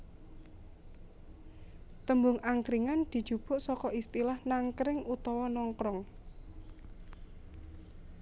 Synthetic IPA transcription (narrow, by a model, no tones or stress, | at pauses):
t̪əmbʊŋaŋkɾiŋand̪̥i̤̥ʒ̥ṳb̥ʊ̤ʔsɔkɔʔist̪ilahnaŋkɾɪŋut̪ɔwɔnɔŋkɾɔŋ